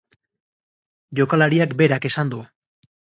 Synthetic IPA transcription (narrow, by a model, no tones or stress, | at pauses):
ʝo̞kalaɾiakbe̞ɾake̞sand̪u